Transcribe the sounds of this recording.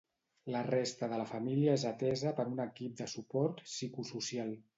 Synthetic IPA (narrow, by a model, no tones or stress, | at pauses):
lərest̪əðələfəmiliəezət̪ɛzəpəɾunəkip̚d̪əsupɔɾt̪sikususialˠ